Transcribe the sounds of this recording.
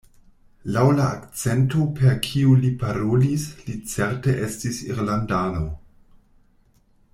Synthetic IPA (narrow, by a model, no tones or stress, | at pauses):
lawlaːkt͡sentopʰeɾkʰiulipʰaɾolislit͡seɾteʔe̞stisḭɾlandano̞